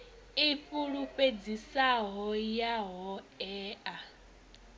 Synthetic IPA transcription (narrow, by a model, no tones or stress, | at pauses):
ipuɺuk͡ped͡zisaɦɔjaɦɔ | ɛːa